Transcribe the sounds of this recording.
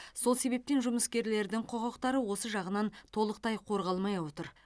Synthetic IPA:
so̞lˠse̞βe̞p̚t̪e̞nʒʊməskʲe̞ɾle̞ɾd̪ɪŋqʰo̞qɑqt̪ɑɾəwo̞səʒɑʁənɑnt̪ʰo̞lˠəq̚t̪ɑjqʰo̞ɾʁɑlˠmɑjwo̞t̪əɾ

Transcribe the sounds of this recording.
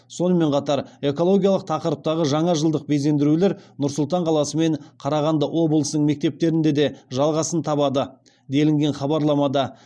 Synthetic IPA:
so̞nəme̞ɴqʰɑt̪ɑɾe̞ko̞lˠo̞ɡʲijɑlˠəq̚t̪ʰɑqəɾəp̚t̪ɑʁəʒɑɴɑʒəlˠd̪əq̚be̞ze̞nd̪ɪɾule̞ɾnʊɾsʊlˠt̪ɑɴqʰɑlˠɑsəme̞ɴqʰɑɾɑʁɑnd̪əʔo̞blˠəsnəɴme̞k̚t̪e̞p̚t̪e̞ɾɪnd̪e̞d̪e̞ʒɑlˠʁɑsənt̪ʰɑbɑd̪ə | d̪e̞lɪŋɡʲe̞nχɑbɑɾlˠɑmɑd̪ɑ

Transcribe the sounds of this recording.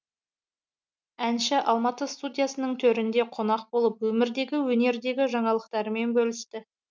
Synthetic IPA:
ænʃɪʔɑlˠmɑt̪əst̪ud̪ʲijasənəɴt̪ʰɵɾɪnd̪e̞qʰo̞nɑq̚bo̞lˠəpwɵmɪɾd̪e̞ɡʲɪwɵne̞ɾd̪e̞ɡʲɪʒɑɴɑlˠəq̚t̪ɑɾəme̞nbɵlɪst̪ɪ

